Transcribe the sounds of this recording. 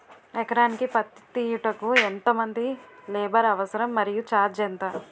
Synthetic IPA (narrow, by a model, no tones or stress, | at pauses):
ɛkɐɾaːnikipɐt̪t̪iʈɐkuent̪ɐmɐnd̪ilɛːbɐɾɐʋɐsɐɾɐmːɐɾijut͡ʃaːɾd͡ʒɛnt̪ɐ